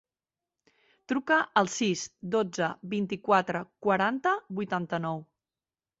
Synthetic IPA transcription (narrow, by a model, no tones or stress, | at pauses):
t̪ɾukəʔəlˠsizd̪od͡zəβint̪ikwat̪ɾəkwəɾant̪əbujt̪ant̪ənɔw